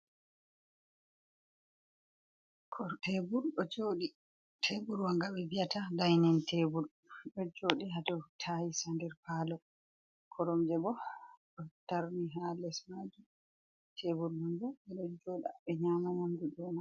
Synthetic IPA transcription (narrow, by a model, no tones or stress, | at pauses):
kʰɔtʰebuɾɗɔd͡ʒoɗi | tʰebuɾwaŋɡawibijatadajnɛntʰebuɾ | ɗɔd͡ʒoːɗiɦatɔtʰajisandɛɾpalɔ | kʰɔɾɔmd͡ʒɛbɔɗɔtaɾniɦalɛsmad͡ʒu | tʰebuɾmund͡ʒɔɛɗɔd͡ʒoːɗaɓɛɲamamamduɗɔna